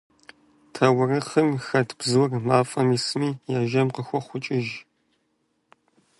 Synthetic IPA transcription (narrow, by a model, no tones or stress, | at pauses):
tʰɐwʊrɨχɨmxɐtʰb̥zɨwrmaːfʼɐmisɨmiːjaːʒɐmqəxʷɔχʷʊt͡ʃʼɪʒ